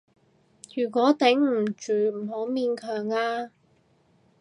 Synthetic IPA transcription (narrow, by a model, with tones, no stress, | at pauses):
jyː˨˩kʷɔː˨˥t̪ɛ˨˥ŋm̩˨˩t͡ʃyː˨˩m̩˨˩ho˨˧˥wmiː˧nkʰœː˨˩ŋaː˧